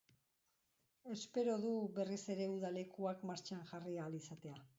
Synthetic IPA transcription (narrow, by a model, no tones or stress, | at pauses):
e̞spe̞ɾo̞ðuβe̞rise̞ɾe̞uðale̞kuakmaɾt͡ʃaŋʝarialisat̪e̞a